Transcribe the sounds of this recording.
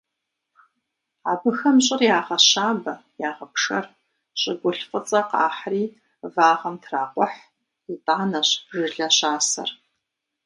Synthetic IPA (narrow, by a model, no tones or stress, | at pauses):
aːbɨxɐmɕʼɪrjaːʁɐɕaːbɐjaːʁɐpʂɐ̰r | ɕʼɪɡʷʊɬfʼət͡sʼɐqa̰ːħriː | vaːʁɐmtʰraːqʷʼɔħ | itʼaːnɐɕʐɨɮɐɕaːsɐ̰r